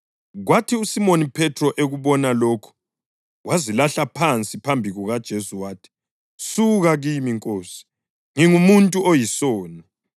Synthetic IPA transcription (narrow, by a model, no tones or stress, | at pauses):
ɣwatʰiusimonipʰɛtʰrɔʔeɣuβɔnaloːkʰu̥ | wʔazilaɬapʰant͡sʼipʰambʱiɣuɣad̥ʒ̥ʱesuwaːtʰi̥ | suɣaɣimiŋkʼoːsi̥ | ŋiŋumuntʼuʔojisoːni